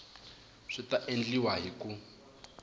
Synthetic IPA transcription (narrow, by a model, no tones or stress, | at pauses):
ʂitaʔend͡ɮiwaɦiku